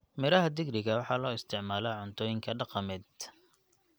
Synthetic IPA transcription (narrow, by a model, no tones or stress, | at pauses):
mɪɾɐɦɐd̪ɪɡɖɪɣɐwɑħɑːlɔːɪst̪ʰɪʕmaːlɛʕʊnt̪ʰɔːjɪŋkʰɐɖɑqɑmɛːd̪̚